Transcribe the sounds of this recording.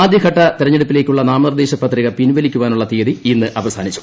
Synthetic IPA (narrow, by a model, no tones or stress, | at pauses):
aːd̪ʱjɐkʰɐʈːɐt̪iɾɐɲːeɽupːile̞ːkʲːuɭːɐnaːmɐnrɐd̪eːɕɐpːɐt̪ːriɣɐpinʋɐlikʲːuʋaːnuɭːɐt̪eːɐðiinːɨʔɐʋɐsaːnit͡ɕːu̥